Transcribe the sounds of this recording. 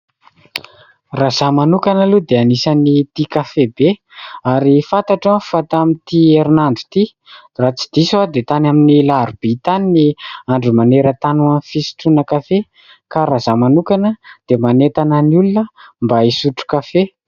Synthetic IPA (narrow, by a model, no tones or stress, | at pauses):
razamanukanəlud̪eanisanit̪ikafebe | aɾifat̪aʈ͡ʂḁfat̪amint̪ieɾinanɖ͡ʐu̥t̪i | rat͡si̥d̪isad̪et̪anaminilaɾub̥it̪aniniaɳɖ͡ʐumaneɾət̪anuanfisi̥ʈ͡ʂunəkafe | kaɾazamanukanəd̪̥emanet̪anəniulunəmbaisuʈ͡ʂu̥kafe